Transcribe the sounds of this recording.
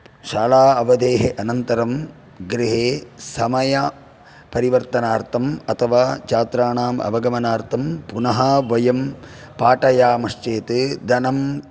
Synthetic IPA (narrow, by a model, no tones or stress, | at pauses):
ʃaːlaːɐʋɐd̪eːɦeʔɐnɐnt̪ɐɾɐm | ɡɾiɦeːsɐmɐjɐ | pɐɾiʋɐɾt̪ɐnaːɾt̪ʰɐmɐt̪ʰɐʋaːt͡ʃaːt̪ɾaːɳaːmɐ̰bɐɡɐmɐnaːɾt̪ʰɐmpunɐɦɐʋɐjɐmpaːʈɐjaːmɐʂt͡ʃeːt̪ɨd̪ɐnɐm